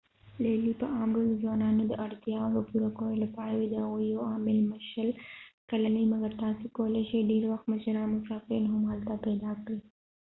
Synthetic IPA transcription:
lelipəʔɑmɡaozwɑnɑnod̪əʔaɽt̪jɑdəpuɾakəwolapɑɾawed̪əhaɣujoɑmɪlməʃəlkalanimaɡaɾt̪ɑsekawəleʃeɖeɾwaxt̪məʃaɾɑnʊsɑfɾinɦʊmhalt̪apɛd̪ɑkɽi

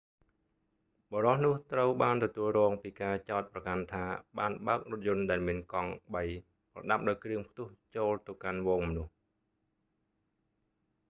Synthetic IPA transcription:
ɓɔːɾɑhnʊ̆əht̪rəwɓaːnt̪ɔt̪uəlrɔːŋpiːkaːt͡ɕaɔt̪̚prɑkant̪ʰaːɓaːnɓaək̚rʊ̆ət̪̚jʊ̆ənɗaɛlmiənkɑŋɓəj | prɑ̰ɗap̚ɗaɔjkrɨəŋpʰt̪ʊ̆əht͡ɕoːlt̪ɨwkanʋɔːŋmɔnʊəh

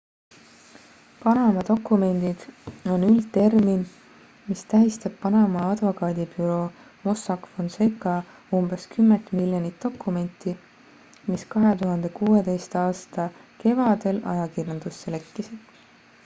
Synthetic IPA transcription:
pɑnɑmɑd̪o̞kːˑume̞nʲd̪̥id̪̥o̞nylt̪ːe̞rmin | mist̪æɦist̪eb̥pːɑnɑmɑɑd̪̥vo̞kɑːd̪ibyɾo̞ | mo̞sɑkfo̞nsekːˑɑ | umbe̞skymːent̪ˑmiljonit̪ːo̞kːˑume̞nʲt̪ːˑi | miskɑɦe̞t̪uɦɑnd̪̥e̞kuːe̞t̪e̞jst̪ɑːst̪ɑke̞vɑd̪e̞lɑ̰jɑkirjɑnd̪̥usːele̞kːisid̪̥

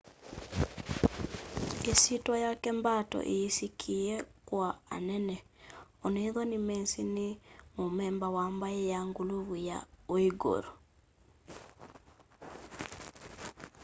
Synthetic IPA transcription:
esitwɔjakɛmbatɔ̰ʔeisikʰiɛkwaa̰nɛnɛ | oneðɔnimɛnsinɪmomɛmbawambaɛjaŋɡuluβuja̰oiɡo̰ɾo

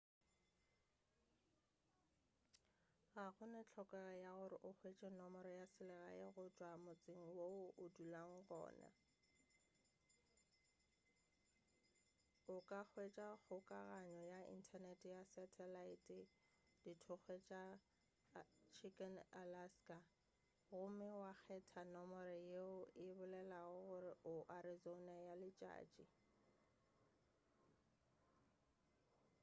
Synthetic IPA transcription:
ɣaɣʊnɪt͡ɬʰɔkʼɛɣajaɣʊɾɪʔʊχʰwet͡ʃʼɛnɔmɔɾɔjasɪlɛɣa̰ɪ̰ɣʊt͡ʃʼwamʊt͡sʼɪŋ̩woʊʔʊdulaŋ̩ɣɔ̰ːna̰ | ʊkʼak͡xʰwet͡ʃʼaɣʊkʼaɣaɲɔjaḭn̩tʰanɛtʼjasɛtʰɛlaitʼɪ | d̥itʰʊχwet͡ʃʼa | t͡ʃʰikʼɛnalaskʼa | ɣʊmɪwak͡xʰɛtʰanɔmɔɾɪjeʊɪbʊlɛlaʊɣʊrɪʔʊʔaɾizonajalɪt͡ʃʼa̰ːt͡ʃʼi

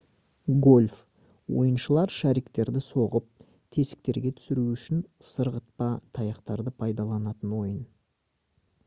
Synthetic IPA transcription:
ɡo̞lʲf | wo̞̰jənʃəlˠɑɾʃæɾikt̪e̞ɾd̪ɪso̞ʁəp̚ | t̪ʰe̞sɪ̥k̚t̪e̞ɾɡʲe̞t̪ʰʏ̥sɪɾuʏʃɪnsəɾʁət̪̚pɑt̪ʰɑjɑqt̪ɑɾd̪əpʰɑjd̪ɑlˠɑnɑt̪ənwo̞jən

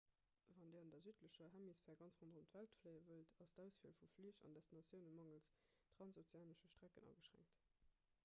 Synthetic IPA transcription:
vɑndeːɑndɐzyːtləɕəɦæmisfɛːɐɡɑnt͡sʁondʁomtv̥æltfləɪəvəltʰɑsdæʊsfiəlfufliəʃɑ̰ndɛstinɑt͡sjəʊnəmɑŋəls | tʁ̥ɑnsot͡sjaːnəʃəʃtʁ̥ækənʔɑ̰ːɡəʃʁ̥æ̰ŋkt

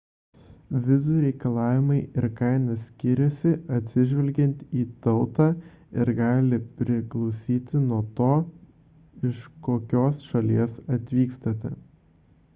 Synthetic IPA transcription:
ʋʲɪzuːɾʲɛɪkɐlˠɑːʋʲɪmɐɪɪɾkɑɪnɐsʲkʲɪɾʲɛsʲɪɐt̪ʲsʲɪʒʲʋʲɛlʲɡʲɛnʲt̪ʲiːt̪ɒʊt̪ɑː | ɪɾɡɑːlʲɪpʲɾʲɪklˠɒʊsʲiːt̪ʲɪnuɔt̪oː | ɪʃkoːkʲoːsʃɐlʲiɛsɐt̪ʲʋʲiːkst̪ɐt̪ʲɛ

